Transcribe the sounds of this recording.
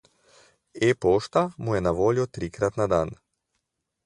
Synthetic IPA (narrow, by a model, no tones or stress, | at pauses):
epoːʃt̪amujɛnaʋoːljɔt̪ɾiːkɾat̪nad̪an